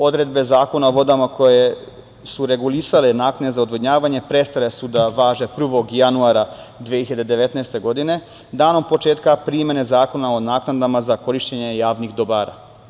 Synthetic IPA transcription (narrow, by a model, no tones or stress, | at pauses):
o̞d̪ɾe̞d̪̚be̞zaːko̞naoʋo̞d̪amako̞je | suɾe̞ɡulisalenaːknad̪ezaod̪ʋod̪ɲaːʋaɲe̞pɾe̞st̪ale̞sud̪aʋaːʒe̞pr̩ʋo̞ɡjanuaɾa | d̪ʋeiiʎad̪ed̪e̞ʋe̞t̪nɛjst̪e̞ɡo̞d̪ine̞ | d̪aːno̞mpo̞t͡ʃe̞ːt̪kapɾime̞nezaːko̞nao̞naːknad̪amazako̞ɾiʃt͡ɕeɲejaːʋnixd̪obaːɾa̰